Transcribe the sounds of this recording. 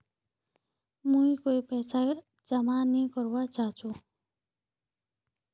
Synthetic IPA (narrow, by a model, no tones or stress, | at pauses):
mũikoːipɛːsa | d͡ʒəmanĩkəɾwat͡ʃaːɦt͡ʃũː